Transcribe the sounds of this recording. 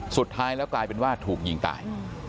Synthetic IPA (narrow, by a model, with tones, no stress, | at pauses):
su˨˩t̪ʰːaː˦˥jlɛː˦˥wklaː˧jpe˧nwaː˥˩t̪ʰuː˨˩k̚ji˧ŋt̪a̰ː˨˩j